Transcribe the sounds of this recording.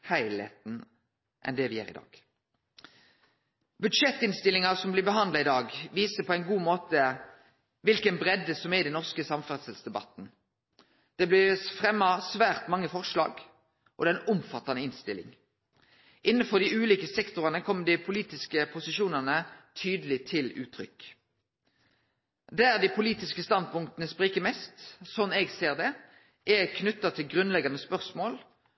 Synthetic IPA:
hæɪlhḛːt̪n̩ | ʔɛ̰nd̪ɛʋɪjæ̰ːʁɪ̰d̪ɑ̰ːɡ̥ | bʉd̪ʂɛt̪ːɪnst̪ɪlɪŋɑsɔmblɪbəɦɑnd̪lɑɪd̪ɑːɡʋiːsəpʰɔæɪnɡuːmoːt̪ə | ʋɪlkənbʁɛd̪əsɔmɛʁid̪ɛnɔʁskəsɑmfɑʁsəlsd̪ɛbɑ̰t̪n̩ | d̪̥ɛblɪʁfʁɛmːɑsʋæːʁt̪mɑŋːəfɔʁʂlɑ̰ːɡ | ʔɔd̪ɛnʊmfɑt̪ːɑnəɪnst̪ɪ̰lɪ̰ŋ | ʔɪnːənfɔʁd̪iʉːliːkəsɛkt̪ʊʁɑnəkʰɔmːəd̪ɪpʰʊliːt̪ɪskəpʰʊsɪʃuːnənət̪ʰyːd̪əlɪt̪ʰɪlʉ̰ːt̪ʰʁʏ̰k | d̪æːʁd̪ipʰʊliːt̪ɪskəst̪ɑnd̪̚pʊŋkt̪ənəspʁiːkəmɛst̪sɔnɛːɡseːʁd̪ɛ | ʔɛkʰnʉt̪ːɑt̪ʰɪlɡʁʉnlɛɡɑnəspœʁsmoːl

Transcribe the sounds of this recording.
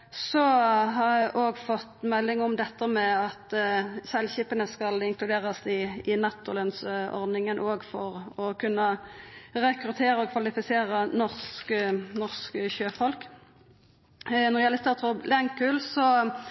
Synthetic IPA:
sɔɦɑʁæʔoːɡfɔt̪ːmɛlːɪŋɔmd̪ɛt̪ːəmɛɑt̪sɛlçiːpənəskɑlɪŋklʉd̪eːʁɑsɪɪnɑt̪ːɔlənsɔ̰ʁd̪nɪŋənʔoːɡfɔʁɔkʰʉnːə | ʁɛkɾʉt̪ʰeːʁəɔkʰʋɑlɪfɪseːʁənɔʁsknɔʁskəçøːfɔlk | nɔʁjælɪst̪ɑʁt̪ʰʁʊblɛŋkʉlsɔ

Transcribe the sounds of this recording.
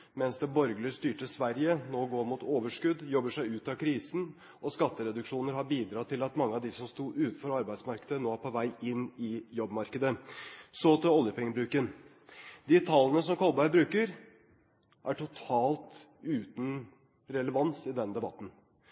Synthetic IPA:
mɛnsd̪ɛbɔɾɡləst̪yːʈəsʋæɾjənoːɡoːɾmuːt̪oːʋəʂkʉd̪jɔbːəʂæɪʉːt̪ɑkʰɾiːsən̩ | ɔskɑt̪ːəɾɛd̪ʉkʂuːnəɾɦɑɾbiːd̪ɾɑːt̪ʰːɪlɑt̪mɑŋːəɑʋd̪ɪsɔmst̪uːʔʉːt̪n̩fɔɾɑɾbæɪd̪smɑɾkəd̪ənoːæpʰɔʋæɪɪnːɪjɔbːmɑɾkəd̪əsɔt̪ɛɔljəpʰɛŋːəbɾʉːkən | d̪it̪ʰɑlːənəs̬ɔmkʰɔlbæɪbɾʉːkəɾ | ʔæʈʰʊt̪ʰɑːlt̪ | ʉːt̪n̩ | ɾɛləʋɑnsɪd̪ɛnd̪ɛbɑt̪n̩

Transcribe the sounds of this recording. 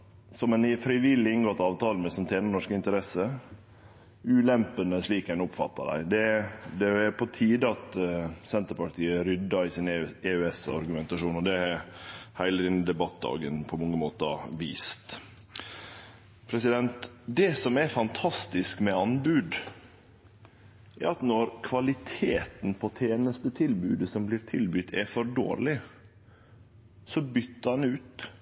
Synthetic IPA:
sɔmɛnfɾɪʋɪlːɪɪŋɡɔt̪ɑːʋt̪ʰɑːləmɛsɔnt̪ʰeːnəɳɔʂkɪnt̪əɾɛsə | ʉːlɛmpənəsɭiːkɛnʊpfɑ̰t̪ːɑd̪æ̰ɪd̪ɛd̪ɛːɾpʰɔt̪ʰiːd̪əɑt̪sɛnt̪əɾpɑʈʰiːəɾʏd̪ːɑɪsɪneʉɛsɑ̰ɾɡʉmɛnt̪ɑʂuːnɔd̪ɛɛhæɪləɾɪnːɪd̪ɛbɑt̪̚d̪ɑ̰ːɡənpʰɔmɔŋːəmoːt̪əɑ̰ʋḭːst̪ | pʰɾɛsɪd̪ɛnt̪d̪ɛsɔmɛɾfɑnt̪ʰɑst̪ɪskmɛɑnbʉːd̪ | ʔɛ̰ɾɑt̪nɔɾkʰʋɑlɪt̪ʰeːt̪n̩pʰɔt̪ʰeːnəst̪ət̪ʰɪlbʉːd̪əsɔmblɪːɾt̪ʰɪlbʏt̪ʰɛɾfɔɾɖo̰ːɾlɪ | sɔbʏt̪ːəɑnʉːt̪

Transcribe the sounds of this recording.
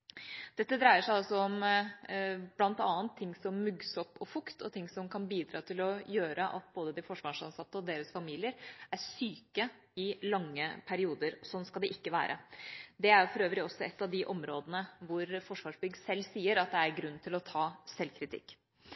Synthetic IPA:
d̪̥ɛt̪ːəd̪ɾæɪəʂæɪɔlsɔɔm | blɑnt̪ɑːənt̪ʰːɪŋːsɔmːʉɡsɔpːɔfʊkt̪ɔt̪ʰɪŋːsɔmkʰɑnbiːd̪ɾɑːt̪ʰɪlɔjøːɾəʔɑt̪̚boːd̪əd̪ɪfɔʂʋɑːʂɑnsɑt̪ːəɔd̪eːɾəsfɑmiːlɪəɾæʂyːkə | ɪlɑŋːəpʰæɾɪuːd̪əɾsɔnːskɑld̪ɛʔɪkːəʋæ̰ːɾʔə̰d̪ɛæɾjʊfɔɾøːʋɾɪɔsːɔɛt̪ːɑʋd̪ɪʔɔmɾoːd̪ənəʋʊɾfɔʂʋɑːʂbʏɡsɛlːsiːəɾɑt̪̚d̪ɛæɾɡɾʉnːt̪ʰɪlɔt̪ʰɑːsɛlkʰɾɪt̪ʰɪ̰kː

